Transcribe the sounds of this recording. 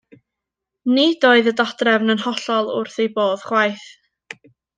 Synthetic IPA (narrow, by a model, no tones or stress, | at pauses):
nid̥oːɨðədad̥rɛvnənhɔɬɔlˠʊrθejboːð̥χwajθ